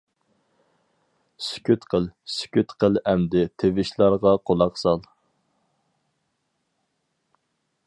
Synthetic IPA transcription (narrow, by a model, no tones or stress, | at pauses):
sy̥kʲʰyt̪qʰəlˠsy̥kʲyt̪qəlˠɛmd̪ɪt̪ʰevɪʃlˠɑɾʁɑqʰolˠɑqsɑlˠ